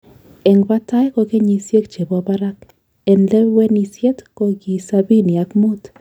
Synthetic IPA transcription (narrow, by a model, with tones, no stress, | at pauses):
ɛ˨ŋba˦ta˦jkɔ˨ke˦ɲi˨sje˦k̚t͡ʃe˨bɔ˨ba˦ɾa˦k | ɛ˨nlɛ˦wɛ˦ni˨sje˦tko˦ɡi˨sa˦bi˦ni˨a˨kmu˦t̪